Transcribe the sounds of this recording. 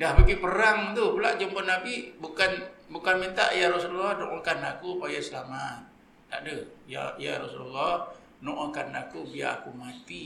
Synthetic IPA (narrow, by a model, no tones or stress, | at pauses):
dahbakipəɾaŋt̪upula̰ʔd͡ʒumbənabibukanbukanmint̪a̰ʔjaɾɔsululɔhnoʔɔŋkanakuupajasəlamat̪̚ː | a̰ʔdəja̰ja̰ɾɔsululːɔh | noʔɔŋkanakubia̰a̰kumat̪i